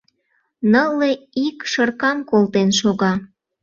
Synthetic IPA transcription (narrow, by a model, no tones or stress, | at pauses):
nəlːeikʃərkɑmkolt̪enʃoɣɑ